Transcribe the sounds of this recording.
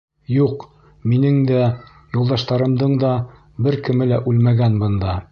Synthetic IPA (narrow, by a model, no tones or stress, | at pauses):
juq | minɘŋd̪æ | julˠd̪ɑʃt̪ɑɾɤ̆md̪ɤɴd̪ɑ | bɘɾkɘ̆mɘlæʔʉlmæɡænbɤ̆nd̪ɑ